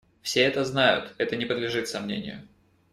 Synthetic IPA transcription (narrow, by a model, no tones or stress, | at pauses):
fsʲeɛt̪əznajʊ̰t̪ɛt̪ənʲɪpəd̪lʲɪʐɨt̪sɐmnʲḛnʲɪ̰jʊ̰